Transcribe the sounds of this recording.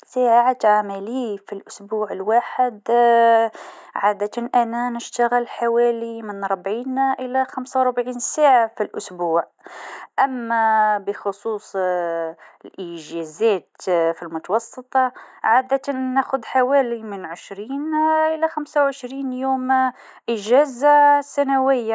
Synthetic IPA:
saːʕʕat̪ʕamalifilʔʊsbuːʕəlwaːħɪd̪ | ʕad̪at̪nʔænanəʃt̪aɣəlħawæːlimɪnɾˤbʕiːnʔəlæxamsawɾʊbʕiːnsaːʕafilʔʊsbuːʕ | ʔæmːæbəxʊsˤuːsˤ | lʔəʒæzæt̪filmʊt̪ɑwɑsˤːət̪ˤɑʕad̪at̪ːæxʊd̪ħawælimənʕəʃɾiːnʔəlæxæmsawʕəʃɾiːnjuːm | ʔəʒæzasːænawəjːa

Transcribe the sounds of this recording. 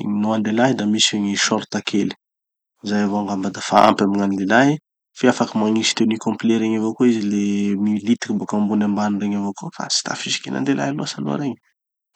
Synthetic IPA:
ḭɲinuand̪elaɦd̪amiseɲiʃɔɾt̪akʰeli̥ | izajavoaŋɡambad̪afaa̰mpamiŋanlelaɦ | fiafakəmaŋisi̥t̪ewnikɔ̃mpleɾeɲavokoizilemilit̪i̥kibokambunambanunreɲavokofa̰si̥t̪a̰fiʃi̥kena̰nd̪ela̰jaluasano̰a̰ɾeɲə̥

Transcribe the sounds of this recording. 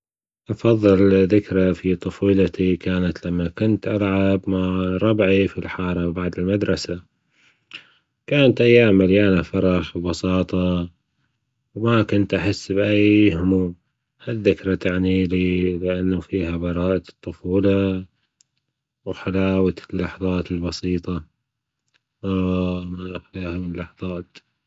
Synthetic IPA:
ʔɑfɑðˤːɨlðɪkɾafit̪ˤɑfuːlat̪ikʰaːnat̪lamːakʊnt̪ʔalʕabmaʕɾˤɑbʕifilħɑːɾˤɑbaʕd̪ɪlmad̪ɾˤɑsa | kaːnat̪ʔajːaːmːaljaːnafɑɾˤɑħbbɑsɑːt̪ˤɑ | wmakʊnt̪ʔaħɪsːbʔajhʊmuːm | haðːɪkɾˤɑt̪aʕnililɪʔanːafiːɦabɑɾˤɑːʔɑt̪ˤːʊfuːlɑ | wħalaːwat̪lːɑħðˤɑːt̪ɪlbɑsiːt̪ˤɑ | maiːhamlːɑħðˤɑːt̪

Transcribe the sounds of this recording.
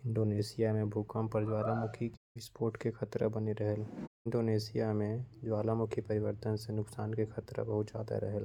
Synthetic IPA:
ɪ̃ɳɖoːneːsɪjamẽbʱʊkampɐɾd͡ʒwaːlamʊkʰiɪspoːɾʈkekʰɐt̪ɾə̰bɐneɾɐɦəlɪ̃ɳɖoːneːsɪjamẽd͡ʒwaːlamʊkʰipɐɾɪʋəɾt̪ənsenʊksaːnkexʰɐt̪ɾə̰bɐɦʊt̪d͡ʒa̰ːd̪a̰ɾɐɦəl

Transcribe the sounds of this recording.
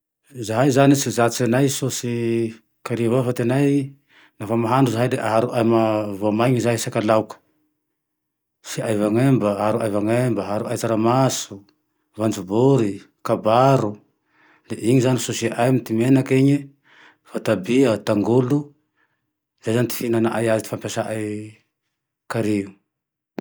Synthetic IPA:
zaɦajzanisizat͡sanajsosi | kaɾiavofat̪enaj | nafamaɦanɖ͡ʐuzaɦajd̪eʔaɦaɾuʔajmavoamajɲizaɦisakalawkə̥ | siʔajvaŋembəɦaɾuʔajvaŋembaɦaɾuʔajt͡saɾamasu | vand͡ʒubuɾi | kabaɾu | leʔiɲizanisusiaʔajmit̪imenakeɲi | fat̪abiat̪aŋɡulu | zejzant̪i̥finanaʔajazit̪i̥fampjasaʔaj | kaɾiu

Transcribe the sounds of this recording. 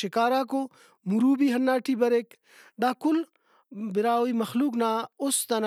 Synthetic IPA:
ʃikaːɾaːko | muɾuːbiɦɐnːaːʈibɐɾek | d̪aːkul | bɪɾaːwimɐxluːknaust̪ɐn

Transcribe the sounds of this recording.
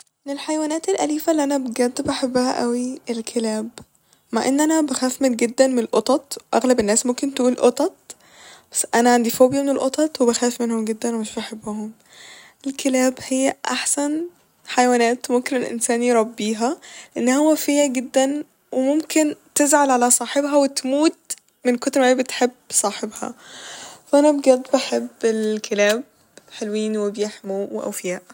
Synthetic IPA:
menelħajwæːnæːt̪elʔæliːfælːiʔænæbeɡæd̪ːebʔaħabːæhæ̰ʔæwiʔelkʰelæːb | maʕʔenːʔænæbæxæːfmenɡed̪ːænmenelʔot̪ˤɑt̪ˤwʔæ̰ɣlæbenːæːsmomkent̪ʔuːlʔot̪ˤɑt̪̚ˤ | b̥æsːʔænæʕand̪ifoːbjæmenelʔot̪ˤɑt̪ˤwebæxæːfmenhomɡed̪ːænwemeʃbaħabːʊhom | ʔelkʰelæːbhejːæʔaħsæn | ħajwæːnæːt̪wemomkenelʔḛnsæːnijɾˤɑbːiːɦæleʔenːhowːæfejːæɡed̪ːæn | wemomkent̪ezʕalʕalæsˤɑːħebɦæwet̪muːt̪ | mɪnkot̪ɾmaʕibet̪ħebːsˤɑːħebhɑ̰ | fæʔænæbɡæd̪ːbaħebːelkʰelæːb̚ | ħelwiːnwebjeħmuweʔæ̰wfɪjæːʔ

